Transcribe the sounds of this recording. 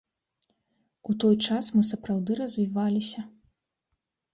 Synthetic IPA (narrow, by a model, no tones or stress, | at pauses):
ut̪ɔjt͡ʂasmɨsɐpɾawd̪ɨɾɐzʲvʲivalʲisʲɐ